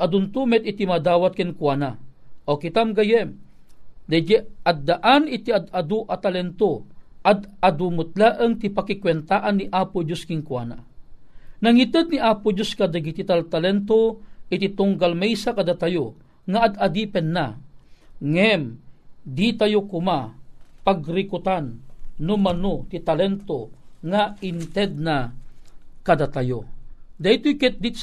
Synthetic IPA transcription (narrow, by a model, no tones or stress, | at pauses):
ʔɐd̪ʊnt̪umɛt̪̚it̪imad̪aːwat̪̚kɛnkwanaʔokit̪amɡajɛm | d̪ad͡ʒɛad̪ːaʔanit̪iad̪ad̪uʔat̪alɛnt̪oad̪ad̪umʊt̪̚laʔəŋt̪ipakikwɛnt̪aʔanːiʔaːpʊd͡ʒoskɪŋkwa̰ːna̰ | nɐŋit̪əd̪̚niʔaːpʊd͡ʒoskad̪aɡit̪it̪alt̪alɛnt̪oʔɪt̪it̪ʊŋɡalmɛjsakad̪at̪ajo | ŋaːd̪ad̪ipɛnːa | ŋɛmd̪it̪ajokʊmapaɡɾikʊt̪anːʊmanot̪it̪alɛnt̪oŋaint̪ɛd̪̚na | kad̪at̪ajod̪ajt̪ʊjkɛt̪̚d̪it̪